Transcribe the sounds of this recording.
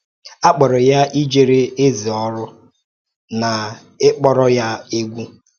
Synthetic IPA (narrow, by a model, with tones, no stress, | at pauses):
a˦k͡pɔ˨ɾɔ˨ja˦ʔi˦d͡ʒe˨ɾe˦e˦zi˨ɔ˦ɾʊ˦ | na˨ | ɪ˦k͡pɔ˦ɾɔ˦ja˦e˦ɡʷu˦